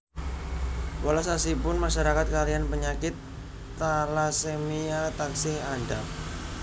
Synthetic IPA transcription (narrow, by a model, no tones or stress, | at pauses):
walasasipʊnmaʃaɾakat̪̚kalianpəɲakɪt̪ː | alasemiat̪aksɪhanda